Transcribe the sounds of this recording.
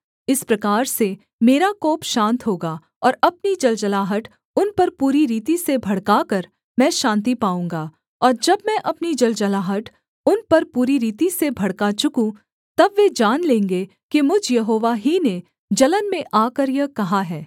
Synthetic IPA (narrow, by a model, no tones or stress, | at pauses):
ɪspɾɐkaːɾse | meːɾakoːpʃãːnt̪ɦoːɡaː | ɔːɾɐpnid͡ʒɐld͡ʒɐlaːɦəʈ | ʊnpɐɾpuːɾiɾiːt̪isebʱɐɽkaːkɐɾ | mɛ̃ːʃãːnt̪̬ipaːũːŋɡaː | ɔːɾd͡ʒɐbmɛ̃ʔɐpnid͡ʒɐld͡ʒɐlaːɦəʈ | ʊnpɐɾpuːɾiɾiːt̪isebʱɐɽkat͡ʃʊkũ | t̪ɐbʋed͡ʒaːnlẽːŋɡe | kimʊd͡ʒʱjɐɦoːʋaɦine | d͡ʒɐlənmẽʔaːkəɾjəkɐɦaɦɛː